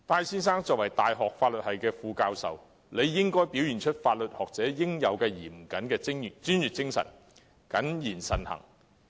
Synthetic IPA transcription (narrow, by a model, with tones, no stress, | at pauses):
t̪aː˧jsiː˥nsaː˥ŋt͡sɔː˨k̚wɐ˨˩jt̪aː˨jɦɔː˨k̚faː˧t̚lɵ˨t̚hɐ˨jkɛː˧fuː˧kaː˧wsɐ̰˨w | le˨˧jːɪ˥ŋkɔː˥jpiː˨˥wjyː˨˩nt͡ʃʰɵ˥t̚faː˧t̚lɵ˨t̚hɔː˨k̚t͡sɛː˨˥jɪ˥ŋjɐ˨˧wkɛː˧jiː˨˩m̩˨˩kɐ˨˥nkɛː˧ɪ˥ŋ˨t͡ʃyː˥njyː˨˩t̚t͡sɪ˥ŋsɐ̰˨˩n | kɐ˨˥njiː˨˩nsɐ˨˩nhɐ̰˨˩ŋ